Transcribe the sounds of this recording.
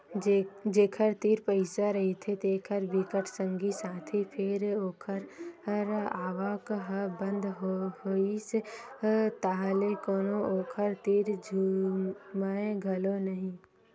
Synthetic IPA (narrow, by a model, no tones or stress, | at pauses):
d͡ʒd͡ʒeːkʰəɾt̪iːɾpəɪsaɾɐɦit̪ʰet̪eːkʰəɾbikəʈʰsə̃ŋɡisaːt̪ʰipʰɪɾoːkʰəɾəɾaːʋakɦbə̃nd̪ɦoise | t̪aɦlekoːnooːkʰəɾt̪iːɾd͡ʒʱuːmaẽɡʱəlonəɦĩ